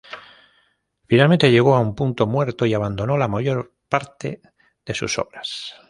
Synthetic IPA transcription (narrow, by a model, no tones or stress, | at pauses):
finalmẽnt̪eʝe̞ɣ̞o̞aumpunt̪o̞mwe̞ɾt̪oiaβand̪o̞no̞lamaʝo̞ɾ | paɾt̪e̞̰ | ðe̞sṵso̰βɾas